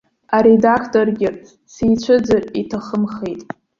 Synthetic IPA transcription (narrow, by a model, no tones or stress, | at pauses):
aɾedakʰtʰʼo̞rɡʲɪ | sijt͡ɕʷʰɨd͡zaritʰaχəmχejtʼ